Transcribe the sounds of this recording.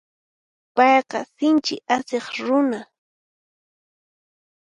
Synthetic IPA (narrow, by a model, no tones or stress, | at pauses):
pɑjqɑ̰sɪnt͡ʃɪʔaseχɾʊna